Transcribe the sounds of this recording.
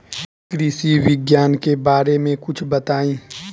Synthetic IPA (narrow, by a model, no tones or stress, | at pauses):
kɾiːsiwɪɡjaːnkebaːɾemẽkʊt͡ʃʰbɐt̪aːĩː